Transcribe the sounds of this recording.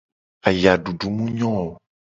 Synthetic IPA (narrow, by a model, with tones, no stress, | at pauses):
a˨ja˨ɖu˨ɖu˨mũ˦ɲɔ̃˦o˨